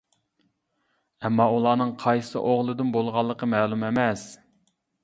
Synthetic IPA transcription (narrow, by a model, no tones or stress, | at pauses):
ɛmːɑulˠɑːnɨŋqʰɑjsɨ̰ʔoʁlˠɨd̪ɨnbolˠʁɑlˠːəqəmɛːlˠumemɛs